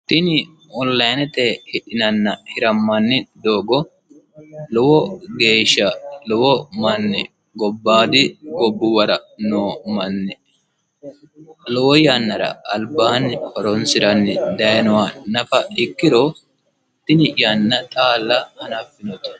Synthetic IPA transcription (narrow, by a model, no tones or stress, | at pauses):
t̪ɪnɪ | ɔnlːɐjnɛt̪ɛhɪᶑɪnɐnːɐhɪɾɐmːɐnːɪd̪o̞ːɡɔ | lɔwɔɡeːʃːɐlɔwɔmɐnːɛ | ɡɔbːaːd̪ɪɡɔbːʊwɐɾɐnoːmɐnːɛ | lɔwɔjɐnːɐɾɐ̰ɐlbaːnːɪkɔɾɔnsɪɾɐnːɪd̪ɐjɐnɔwanɐfɐɪkːɪɾo | t̪ːɪnɪjɐnːɐt̪ʼaːlːɐhɐnɐfːɪnɔt̪